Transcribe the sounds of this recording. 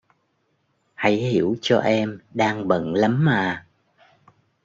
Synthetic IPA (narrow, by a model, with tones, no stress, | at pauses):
ha̰˧˥jhi˧˩əwt͡ɕɔ˧ʔɛ˧mɗaː˧ŋɓə̰˧˨nla˨˦mːaː˨˩